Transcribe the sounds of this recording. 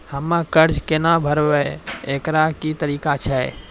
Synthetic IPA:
həmãkəɾd͡ʒkenabʱəɾʋɛeːkɾakit̪əɾiːkat͡ʃʰɛ

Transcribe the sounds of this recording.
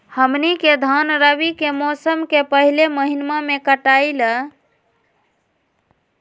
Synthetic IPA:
həmniked̪ʱanɾəβikemɔsəmkepəɦileməɦinmamekəʈajlə

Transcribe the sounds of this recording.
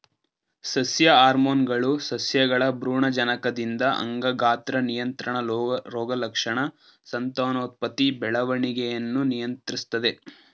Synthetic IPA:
sɐsjɐaːɾmoːnɡɐɭusɐsjɐɡɐɭɐbɾuːɳɐd͡ʒɐnɐkɐd̪ind̪ɐʔɐ̰ŋɡɐɡaːt̪ɾɐnijɐnt̪ɾɐɳɐɾɔːɡɐlɐkʂɐɳɐ | sɐnt̪oːnɐːt̪̚pɐt̪ibɛɭɐʋɐɳiɡejɐnːunijɐnt̪ɾist̪ɐd̪e̞

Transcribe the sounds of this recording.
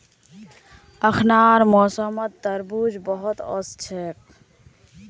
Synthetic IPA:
əkʰnaːɾmɔsəmət̪̚t̪əɾbud͡ʒbɔɦɔt̪ɔ̰st͡ʃʰek̚

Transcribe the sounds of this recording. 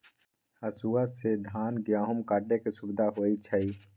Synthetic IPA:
həsuased̪ʱaːnɡɾaːɦʊmkaːɖekesʊbd̪ʱaɦoːit͡ʃʰəi

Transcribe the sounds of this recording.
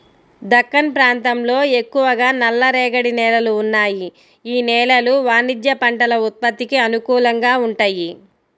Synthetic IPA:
d̪ɐkːɐnpɾaːnt̪ɐmlo̞ːe̞kːuʋɐɡaːnɐlːɐɾɛːɡɐɽinɛːlɐluːnːaːji | iːnɛːlɐluʋaːnid̪jɐpɐɳʈɐlɐut̪̚pɐt̪ːikiɐnukuːlɐŋɡaːuɳʈaːji

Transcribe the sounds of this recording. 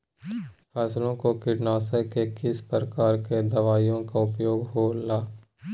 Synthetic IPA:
fʰɛːslõkokɪɖnaːsekekɪspɾəkaːɾked̪ɐʋaːjõkaʊpjoːɡɦoːlaː

